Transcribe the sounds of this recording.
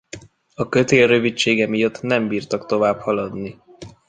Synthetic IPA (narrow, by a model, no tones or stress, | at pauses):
ɒkø̞t̪eːlrøvit͡ʃːeːɡɛmijɒt̪ːnɛmbiːrt̪ɒkt̪o̞vaːbhɒlɒd̪ni